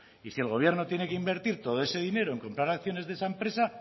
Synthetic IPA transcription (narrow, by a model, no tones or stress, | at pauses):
isielɣ̞o̞β̞je̞ɾno̞t̪je̞nekeimbe̞ɾt̪iɾt̪o̞ð̞o̞e̞se̞ðine̞ɾoe̞ŋko̞mpɾaɾakθjo̞ne̞zðesaempɾe̞sa